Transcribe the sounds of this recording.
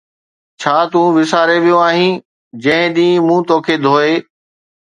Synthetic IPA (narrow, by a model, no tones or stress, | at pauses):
t͡ɕʰaːt̪ũːʋɪsaːɾeʋijõaːɦĩː | d͡ʑɐ̃ɦɪ̃ɗ̪ĩːmũːt̪oːkʰeːd̪ʱoːeː